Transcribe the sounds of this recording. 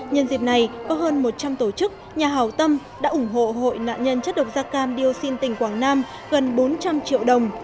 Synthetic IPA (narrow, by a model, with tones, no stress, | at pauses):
ɲə˧nzḭ˨˩p̚na˨˩jkɔ˨˦ɦəː˧nmo˨˩t̚t͡ɕa˧mt̪o˧˩t͡ɕɨ˦˥k̚ | ɲaː˨˩ɦaː˨˩wt̪ə˧m | ɗa̰ː˧˥ʔʊ˧˩ŋ͡mɦo̰˧˨ɦo̰˧˨jna̰ː˧˨nɲə˧nt͡ɕə˦˥t̚ɗə˨˩wk͡p̚zaː˧kaː˧mɗi˧ə˧wsi˧nt̪ï˨˩ŋ̟kwaː˧˩ŋnaː˧m | ɣə˨˩nɓo˨˦nt͡ɕa˧mt͡ɕḭ˧˨əwɗə˨˩wŋ͡m